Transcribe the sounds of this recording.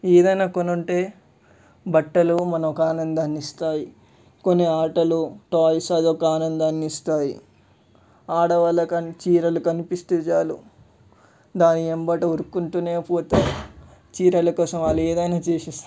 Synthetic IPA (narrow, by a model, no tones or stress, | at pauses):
eːd̪ɐjnaːkonuɳʈe̞ː | bɐʈːɐlumɐnɐmokaːnɐnd̪ɐnist̪aːji | konːeaːʈɐluʈaːjisɐːd̪okɐaːnɐnd̪ɐnist̪aːjḭ | aːɽɐʋɐlɐkɐnt͡ʃiːɾɐlukɐnipist̪et͡ʃaːlṵ | d̪aːniembɐʈioɾukːuɳʈuːneːpoːt̪au | t͡ʃiːɾɐlɐkɔːsɐmaːlːɐeːd̪ɐjnaːt͡ʃeːʃist̪